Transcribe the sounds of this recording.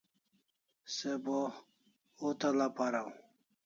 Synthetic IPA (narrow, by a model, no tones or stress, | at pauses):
sebo | ut̪alapaɾaw